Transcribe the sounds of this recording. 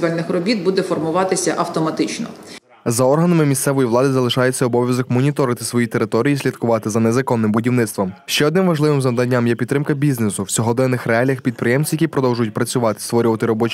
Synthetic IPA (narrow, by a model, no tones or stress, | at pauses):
ʋɛlʲnɪxrɔbʲit̪̚bud̪ɛfɔrmʊʋɑt̪ɪsʲɐʔɐwt̪ɔmɐt̪ɪt͡ʃnɔ̰ | zɐɔrɦɐnɐmɪmʲist̪sɛʋɔjiʋlˠɑd̪ɪzɐlˠɪʃɑjet͡sʲːɐɔbɔʋʲjɐzɔkmɔnʲit̪ɔɾɪt̪ɪ̥sʋɔjit̪eɾɪt̪ɔɾʲijisʲlʲid̪kʊʋɑt̪ɪzɐnɛzɐkɔnːɪmbʊdʲiwnɪtst̪ʋɔmʃt͡ʃɛɔd̪nɪmʋɐʒlˠɪʋɪmzɐʋd̪ɐnʲːamjɛpʲid̪t̪ːɾɪmkɐbʲiznesʊw̥sʲɔɦɔd̪ɛnːɪxɾeɑlʲjɐxpʲid̪̚pɾɪjɛmsʲjɐkʲipɾɔd̪ɔwʒʊjʊt̚ʲpɾɐt͡sʲʊʋɑt̪ɪ̥st̪ʋɔɾʲʊʋɐt̪ɪɾɔbɔt͡ʃ